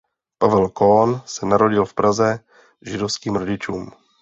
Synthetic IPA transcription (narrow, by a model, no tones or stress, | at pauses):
pavɛlkonsɛnaɾo̞ɟɪlfpɾazɛ | ʒɪdofskiːmɾo̞ɟɪt͡ʃuːm